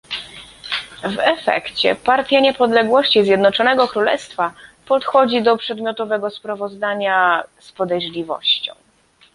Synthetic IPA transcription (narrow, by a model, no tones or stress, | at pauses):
vɛfɛ̰kt͡ɕɛ̰paɾt̪ʲjaɲɛpɔd̪lɛɡwɔɕt͡ɕizʲjɛd̪nɔt͡ʂɔnɛɡɔkɾulɛst̪fapɔt̪xɔd͡ʑid̪ɔpʂɛd̪mʲjɔt̪ɔvɛɡɔspɾavɔzd̪aɲaspɔd̪ɛjʐlʲivɔ̰ɕt͡ɕɔ̰̃w̃